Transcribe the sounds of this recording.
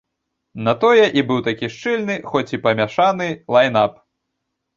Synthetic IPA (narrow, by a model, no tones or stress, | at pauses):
nɐt̪ɔjɛʔibɨwt̪akʲiʂt͡ʂɨlʲnɨxɔt͡sʲipɐmʲaʂanɨlˠajnap